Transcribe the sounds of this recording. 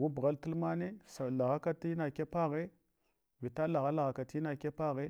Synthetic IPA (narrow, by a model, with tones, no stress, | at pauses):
wu˦bɣa˦ltu˦lma˦ne˦sa˨la˨ɣa˦ka˦ti˦na˨ke˦pa˦ɣe˦ | vi˨ta˦la˨ɣa˦la˨ɣa˨ka˨ti˦na˨ke˦pa˦ɣe˦